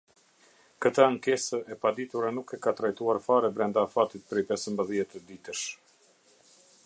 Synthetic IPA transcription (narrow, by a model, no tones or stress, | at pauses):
kət̪əŋkɛsəʔɛpad̪it̪uɾanukɛkat̪ɾajt̪uaɾfaɾɛbɾɛnd̪aːfat̪it̪̚pɾɛjpɛsəmbəðjɛt̪əd̪it̪əʃ